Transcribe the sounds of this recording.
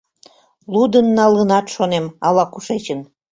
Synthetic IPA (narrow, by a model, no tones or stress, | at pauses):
lud̪ənːɑlənɑt̪ʃonemɑlɑkuʃet͡ɕən